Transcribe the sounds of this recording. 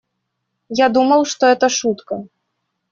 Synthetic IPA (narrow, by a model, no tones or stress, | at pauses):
jad̪umɐwˠʂt̪ɔɛt̪ɐʂut̪kɐ